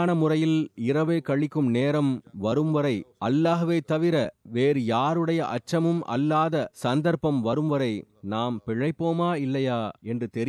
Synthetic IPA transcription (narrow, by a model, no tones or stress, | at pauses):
nɐmʊrɐjɪlɪrɐʋeːkɐɻɪkːɯmneːɾɐmʋɐɾɯmʋɐɾɐɪʔɐlːaːɣɐʋeːt̪ɐʋɪɾɐʋeːɾɯjaːɾɯɽɐjɐʔɐ̰t͡ʃːɐmɯmʔɐ̰lːaːðɐsɐnd̪ɐɾpɐmʋɐɾɯmʋɐɾɐɪ | naːmpɪɻɐɪpːoːmaːɪlːɐjaːɛndrɯt̪ɛɾ